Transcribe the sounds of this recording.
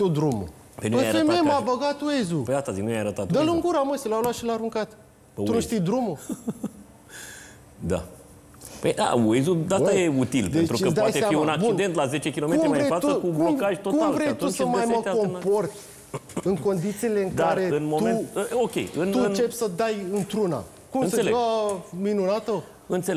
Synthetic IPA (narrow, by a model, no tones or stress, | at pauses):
t̪ud̪ɾumṵ | penuəjafememabəɡat̪uezupejd̪at̪aziknujajaɾət̪at̪d̪əluŋɡuɾaməsilalwatʃilaːɾuŋkat̪ | pəunuʃt̪ijd̪ɾumu | d̪a̰ | pəjd̪a̰wejzud̪asajeut̪ilped̪et̪ɾuəd̪aajseeaiunak̚bt͡ʃuind̪e̞nt̪lazet͡ʃe̞kʲilomeuɾmaeat̪uəkubkuokaʒʲt̪otk̪umvɾejt̪usəmajmako̞mpo̞rt̪ʲ | ɨŋko̞nd̪it̪siːle̞ɨŋdk̪aɾɾe̞ɨnmomt̪ueəokʲḛjɨnuɨnt͡ʃe̞psəd̪ajɨnt̪ɾuna̰ | kumɨnsəseleaminunat̪ə | ɨnt̪se